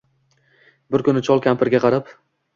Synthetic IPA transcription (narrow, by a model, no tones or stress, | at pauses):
bɪɾkʰʊnɪt͡ʃʰɒlˠkʲʰampʰɪɾɡʲaqʰɑɾap